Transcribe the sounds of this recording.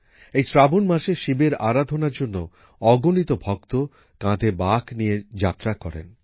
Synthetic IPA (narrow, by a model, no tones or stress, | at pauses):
ejsɾabonmaʃeʃibeɾaɾad̪ʱonaɾd͡ʑonːo | ɔɡonit̪obʱɔkt̪o | kãd̪ʱebaknijed͡ʑat̪ːɾakɔɾḛn